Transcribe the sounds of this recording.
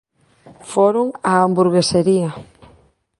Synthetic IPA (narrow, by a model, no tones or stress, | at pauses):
foɾʊŋaambuɾɣeseɾiɐ